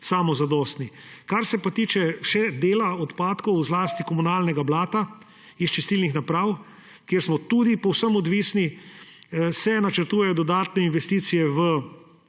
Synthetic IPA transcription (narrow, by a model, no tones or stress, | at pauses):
saːmɔzad̪ɔst̪nikaɾsɛpat̪iːt͡ʃɛʃɛd̪eːlaɔt̪paːt̪kɔwzlaːst̪ikɔmunaːlnɛɡablaːt̪a | ist͡ʃist̪iːlnixnapɾaːw | kjeːɾsmɔt̪ud̪ipɔwsəmɔd̪ʋiːsni | sɛnat͡ʃəɾt̪uːjɛjɔd̪ɔd̪aːt̪nɛinʋɛst̪iːt̪sijɛʋə